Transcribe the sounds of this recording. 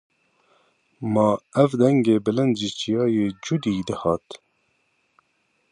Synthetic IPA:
mɑːɛvd̪ɛŋɡeːbɨlɪnd̪d͡ʒit͡ʃijɑːjeːd͡ʒud̪iːd̪əhɑːt̪

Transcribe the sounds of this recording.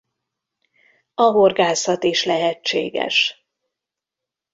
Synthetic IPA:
ɒɦorɡaːsɒt̪iʃlɛɦɛt͡ʃːḛːɡɛ̰ʃ

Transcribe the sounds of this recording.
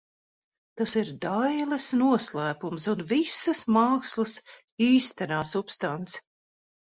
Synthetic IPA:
t̪asiɾd̪ajlˠɛsnuɔslˠæːpumsunvisɐsmɑːkslˠɨs | iːst̪ɛnaːsupst̪ant̪s

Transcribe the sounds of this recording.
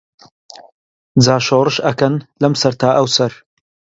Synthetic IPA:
d͡zaːʃoːrɨʃɐkɐnlɐmsɐɾt̪ʰaːʔɐwsɐɾ

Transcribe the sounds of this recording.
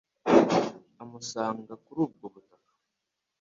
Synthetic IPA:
amusaːŋɡakuɾuːb̚ɡoβutakḁ

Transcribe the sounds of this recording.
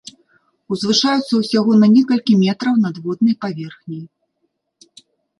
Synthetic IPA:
uzvɨʂajut̪sːɐwsʲaɣɔnɐnʲɛkɐlʲkʲimʲɛt̪ɾɐwnɐd̪vɔd̪̚nɐjpavʲɛrxnʲij

